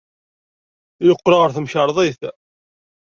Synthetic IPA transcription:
joqːɾɑʁəɾθəmçəɾˤðˤeθ

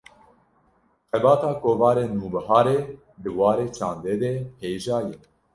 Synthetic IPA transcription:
xɛbɑːt̪ɑːkoːvɑːɾeːnuːbɨɦɑːɾeː | d̪ɨwɑːɾeːt͡ʃʰɑːnd̪eːd̪ɛheːʒɑːjɛ

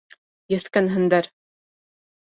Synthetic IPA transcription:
jɘ̆θkænɦɘ̆nd̪æɾ

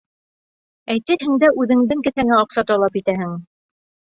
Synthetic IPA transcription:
æjt̪ɘɾɦɘ̆ŋd̪æʔʉðɘ̆ŋd̪ɘŋkɘ̆θæŋæɒqsɑt̪ɒlˠɑpit̪æhɘŋ

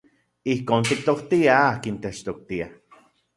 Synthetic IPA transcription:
ihkoːnt̪ik̚t̪okt̪iaaːkint̪et͡ʃt̪ok̚t̪ia

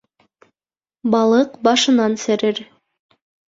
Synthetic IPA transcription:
bɑlˠɤqbɑʃɤ̆nɑnsæ̆ɾɘɾ

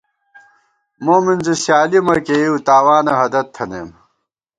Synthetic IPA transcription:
moːmind͡ʑisjaːlimɐkeiwt̪aːwaːnɐɦɐd̪ɐt̪ʰːɐnḛːm

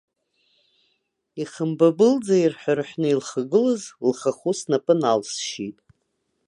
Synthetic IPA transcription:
iχəmbabɨld͡zairħʷᶣarħʷᶣnɨilχaɡɨlɨzlχaχusnapʼɨnalsʃitʼ

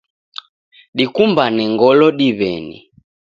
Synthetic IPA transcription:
ɗikumbanɛŋɡɔlɔɗiβɛnḭ

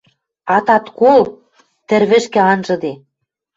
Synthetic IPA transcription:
ɑt̪ɑt̪kol | t̪ɘ̆ɾβɘ̆ʃkɘ̆ɑnʒɤ̆d̪e

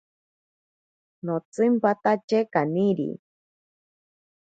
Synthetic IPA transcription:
not͡sɨmpat̪at͡ʃekaniɾḭ

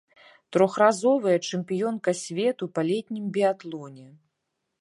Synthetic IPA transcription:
t̪ɾɔxrazɔvɐjɐt͡ʂɛmpʲijɔnkɐsʲvʲɛt̪upalʲɛt̪ʲnʲimbʲiat̪lˠɔnʲɛ

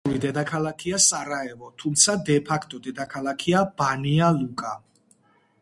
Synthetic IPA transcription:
ɾid̪ɛd̪akʰalˠakʰiasaɾaɛvɔt̪ʰumt̪sʰad̪ɛpʰakʰt̪ʼɔd̪ɛd̪akʰalˠakʰiabanialukʼa

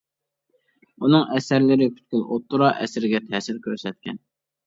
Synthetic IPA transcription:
unɨŋɛsæɾlɪɾɪkʲʰy̥t̪kʲylʔot̪ːuɾɑʔɛ̰sɪɾɪɡʲɛt̪ʰɛsɪɾkʲʰøɾsɛt̪̚kʲʰɛ̰n

